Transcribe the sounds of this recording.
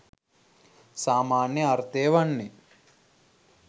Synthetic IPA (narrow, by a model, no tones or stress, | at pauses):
saːmaːnjɐɐɾt̪eːʋɐɳːi